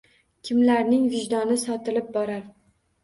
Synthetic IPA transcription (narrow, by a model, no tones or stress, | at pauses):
kʲʰɪmlaɾnɪŋvɪʒd̪ɒnɪsɒt̪ɪlɪp̚bɒɾaɾ